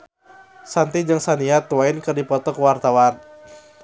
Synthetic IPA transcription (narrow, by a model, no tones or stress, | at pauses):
sant̪id͡ʒɨŋsaniat̪uwainkɨrdipɔt̪ɔkəwart̪awan